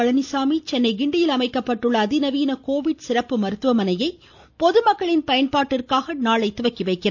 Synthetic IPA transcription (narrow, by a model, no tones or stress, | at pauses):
ɐɭɐnɪsaːmit͡ʃɛnːɐɪɡɪɳɖɪjɪlɐmɐɪkːɐpːɐʈːɯɭːɐːðɪnɐʋiːnɐkoːʋɪɖsɪrɐpːɯmɐɾɯt̪ːɯʋɐmɐnɐjɐɪ | pɔðɯmɐkːɐɭɪnpɐjɐnpaːʈːɪrkaːɣɐnaːɭɐɪt̪ːɯʋɐkːiʋɐɪkːɪrɐ